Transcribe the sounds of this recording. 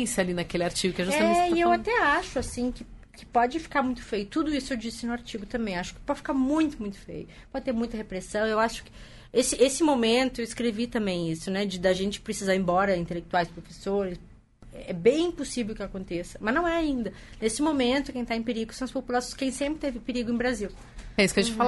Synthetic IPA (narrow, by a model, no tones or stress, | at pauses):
salinɐkelɪaɾt͡ʃiɡʊkɪɛʒusamẽt͡ʃt͡ʃɪewat̪ɛaʃʊasĩkɪ | kɪ̥pɔd͡ʒɪfi̥kaɾmũj̃t̪ʊ̥fejʊt̪ud̪ʊisʊewd͡ʒisɪnʊaɾt͡ʃiɡʊt̪ɐ̃mbẽj̃aʃʊ̥kɪ̥pɔd͡ʒɪfi̥kaɾmũj̃t̪ʊmũj̃t̪ʊ̥fḛjʊ | pɔd͡ʒɪt̪eɾmũj̃t̪ɐɦepɾesɐ̃w̃ewaʃʊ̥kɪ̥ | esɪʔesɪmomẽnt̪ʊewɪskɾevit̪ɐ̃mbẽj̃isʊnɛd͡ʒɪd̪ɐʒẽnt͡ʃɪ̥pɾesizaɾẽbɔɾɐĩt̪elek̚t̪uajspɾofesoɾɪs | ɛ̰ɛbẽj̃ĩposivewkɪakõnt̪esɐ̥mɐznɐ̃w̃ɛaĩnd̪ɐ | nesɪmomẽnt̪ʊkẽj̃t̪aẽpeɾiɡʊsɐ̃w̃ɐspopulasõj̃skẽj̃sẽmpɾɪt̪ẽvɪ̃peɾiɡʊẽbɾaziw | ɛisʊkeʒ̃t͡ʃɪffala